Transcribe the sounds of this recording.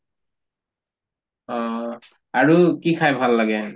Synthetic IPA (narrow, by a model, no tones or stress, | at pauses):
ɔ | aɹukikʰajbʱalːaɡɛ